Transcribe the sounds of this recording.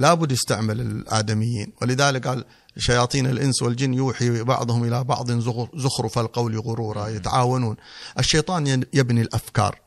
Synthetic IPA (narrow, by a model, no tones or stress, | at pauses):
laːbʊd̪ːjɪst̪aʕmalɪlʔa̰ːd̪amɪjːḭːnwɪlɪðaːlɪk̚ɡaːl | ʃːajɑːt̪ˤiːnɪlʔɪnswɪld͡ʒɪnːjuːħibɑ̰ʕðˤhʊmʔɪlabɑ̰ʕðˤɪnzʊzʊxɾʊfalqawliɣʊɾuːɾˤɑjɪt̪ʕaːwanuːnʔɪʃːejt̪ˤɑːnjɪbnilʔafkɑ̰ːɾˤ